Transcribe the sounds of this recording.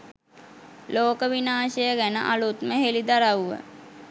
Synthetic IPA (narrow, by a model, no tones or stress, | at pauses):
loːkəʋinaːʃəjəɡænə̰ʔalut̪məɦelid̪aɾawuʋə̰